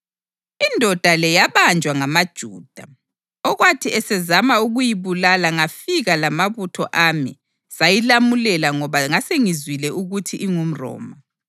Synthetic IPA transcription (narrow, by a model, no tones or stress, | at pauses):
indʱɔd̥ʱalɛjaβand͡ʒʱwaŋamad̥ʒ̥ʱṵːd̥ʱa | ɔɣwatʰiɛsɛzamauɣujiβulalaŋafiɣalamaβutʰɔʔamḭ | sajilamulɛlaŋɔβaŋaseŋizwilɛuɣutʰiʔiŋum̩rɔ̰ːma